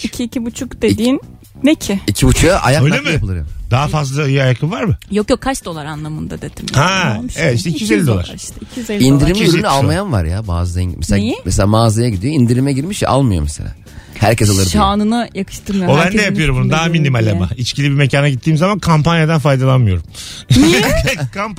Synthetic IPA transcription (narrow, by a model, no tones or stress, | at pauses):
icʰiːcibut͡ʃʰukd̪ed̪iːnː | ecʰɪicʰibut͡ʃʰujaʔajakølalʲemiaplˠɯɾjo̰d̪aɦafazlˠaɯjajakʰɯvaɾmɯjokjokʰːat͡ʃd̪o̞lˠaɾanlˠamɯnd̪ad̪ed̪imhaevɛt̪iʃt̪ɛicʰijyzelʲːid̪oaɾcʰijzelʲind̪iɾimiɾynalˠmajanva̰ɾja̰ba̰ːzɯd̪mɛseejmɛselʲaːmaːzajaɟid̪ijoind̪iɾimɛɟiɾmiʃa̰lˠmɯjomɛsḛlʲa̰ː | hæɾcʰɛsalˠɯɾaːnɯnajakʰɯ̥ʃt̪ɯɾmjobæɾnd̪ɛjaɯjo̞ɾumbunud̪aɦaminimalʲamait͡ʃcʰilʲibime̞cʰaːnaɟit̪ʰːiːmzamankʰampanjad̪ænfajd̪alˠanmɯjo̞ɾumʰ | ɛkʰamp